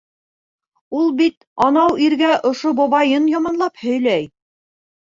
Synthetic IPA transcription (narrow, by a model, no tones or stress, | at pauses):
ulˠbit̪ | ɑnɑwiɾɡæʔŏʃoboβɑjɤnjɑmɑnlˠɑphɵ̆jlæj